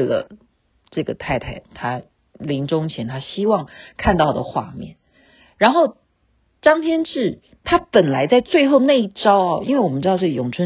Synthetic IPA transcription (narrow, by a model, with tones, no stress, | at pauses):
lə̰˩ | ʈ͡ʂɤ˥˩ɡə˩t̪ʰa˥˩ɪt̪ʰa˥˩ɪt̪ʰa˥ | li˧˥ŋʈ͡ʂʊ˥ŋt͡ɕʰjɛ˧˥nt̪ʰa˥ɕi˥wɑ˥˧ŋkʰa˥˧nt̪ɑ˥˩ʊd̪ə̰˩xwa̰˥˧mjɛ̰˥˩n | ɻa˧˥nxo˥˩ʊ | ʈ͡ʂɑ˥ŋt̪ʰjɛ˥nʈ͡ʂɻ̩˥˩ | t̪ʰa˥pə˨˩nla˧˥ɪt͡sa˥˧ɪt͡swe˥˧ɪxo˥˧ʊna˥˧ɪi˥˩ʈ͡ʂɑ˥ʊɐ˨i˥nwe˥˩ɪwɔ˨˩m˦nʈ͡ʂɻ̩˥d̪ɑ˥˧ʈ͡ʂɤ˥˩ɡə˩jʊ˨˩ŋʈ͡ʂʰə˧˥